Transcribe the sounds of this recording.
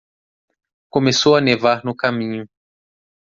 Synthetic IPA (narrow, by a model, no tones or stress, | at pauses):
kõmesowɐnevaɾnʊkamĩɲʊ